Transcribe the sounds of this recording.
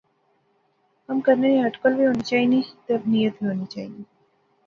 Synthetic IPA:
əmkəɾneniɦəʈkəlʋiɦonit͡ʃaːɦinist̪əbnijət̪ʋiɦoːnit͡ʃaːɦii

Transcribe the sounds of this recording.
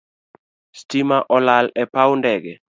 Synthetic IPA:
stimaʔɔlalɛpawndɛɡɛ

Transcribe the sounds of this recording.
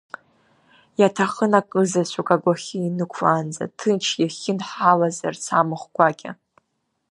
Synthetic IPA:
jatʰaχənakʼɨzat͡ɕʷʰukʼaɡʷaχʲiinɨkʷʰland͡za̰tʰɨnt͡ʃʰjaχʲɪnħalazart͡sʰamɨχʷɡʷakʲʼa̰

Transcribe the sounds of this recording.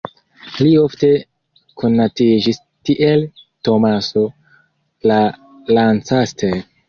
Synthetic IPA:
lio̞fte̞ | kʰo̞nːatid͡ʒis | tiʔelto̞maso̞ | la | lant͡saste

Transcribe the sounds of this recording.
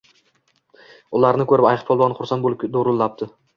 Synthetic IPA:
ʊlˠaɾnɪkʰɵɾɪpajqpʰolˠbɑnχʊɾsanbod̪oɾʊlːap̚t̪ʰɪ

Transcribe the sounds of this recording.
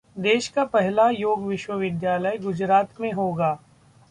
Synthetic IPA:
d̪eːʃkapɛɦlajoːɡʋɪʃwəʋɪd̪jaːləjɡʊd͡ʒɾaːt̪mẽɦoːɡaː

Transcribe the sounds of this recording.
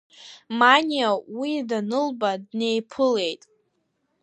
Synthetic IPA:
manʲiawidanɨlbadne̞jpʰɨle̞jtʼ

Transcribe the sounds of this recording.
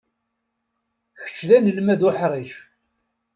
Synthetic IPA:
çə̥t͡ʃːðænəlmæðʊħɾˤiʃ

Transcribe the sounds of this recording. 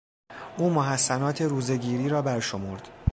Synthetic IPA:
ʔuːmoɦæsːænɒːt̪ʰe̞ɾuːze̞ɟiːɾiːɾɒːbæɾʃo̞moɾd̪̥

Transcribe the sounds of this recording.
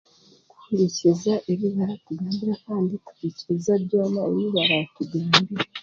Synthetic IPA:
ku̥uɾicizaʔeβiβaɾatuɡaːmbiɾakaːnditu̥ɾiciezabɟo̞ːmauɾuβaɾatuɡaːmbiɾa

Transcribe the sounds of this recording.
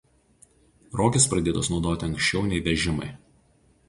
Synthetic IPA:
ɾoːkʲɪspɾɐd̪ʲeːt̪osnɒʊd̪oːt̪ʲɪɐŋʲkʃʲt͡ʃʲɛʊnʲɛɪʋʲɛʒʲɪmɐ̰ɪ

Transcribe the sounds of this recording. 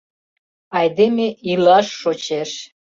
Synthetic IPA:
ɑjd̪emeilɑʃːot͡ɕeʃ

